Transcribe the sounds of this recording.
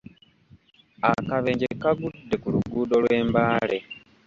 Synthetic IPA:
akaβeːɲɟekaɡudːe̞kuluɡuːdo̞lwe̞ːmbaːle̞

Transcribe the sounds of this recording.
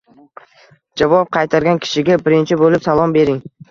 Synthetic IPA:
d͡ʒavɒp̚qʰɑjt̪ʰaɾɡʲankʲʰɪ̥ʃɪɡʲabɪɾɪnt͡ʃʰɪbolɪpsalˠɒmbe̞ɾɪŋ

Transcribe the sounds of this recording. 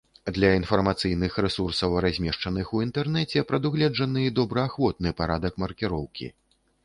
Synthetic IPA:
d̪lʲɐinfɐrmat̪sɨjnɨxɾɛsursɐwɾazʲmʲɛʂt͡ʂɐn̪ɨxuint̪ɛrnɛt͡sʲɛpɾɐd̪uɣlʲɛd͡ʐɐnɨid̪ɔbɾɐaxvɔt̪̚nɨpaɾad̪ɐkmɐrkʲiɾɔwkʲḭ

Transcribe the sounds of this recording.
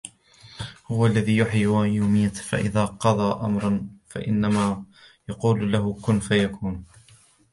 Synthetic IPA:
hʊwaʔalːaðiːjʊħiajuːmɪjːafa̰ʔɪ̰ðaːqɑd̪ˤɑːʔa̰mɾˤɑnfa̰ʔɪ̰nːamaː | jɑquːllaɦʊkʊnfajakuːn

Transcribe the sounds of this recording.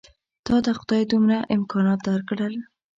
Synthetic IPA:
t̪ɑd̪əxʊd̪ɑjed̪umɾaʔɪmkɑnɑt̪̚d̪ɑɾkɽəl

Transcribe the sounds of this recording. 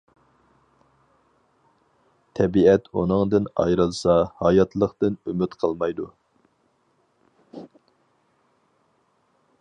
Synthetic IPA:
t̪ʰɛbiɛt̪unɨŋd̪ɨnɑ̰jɾɨlˠsɑhɑjɑt̪lˠəqt̪ɨnymyt̪qʰəlˠmɑjd̪u

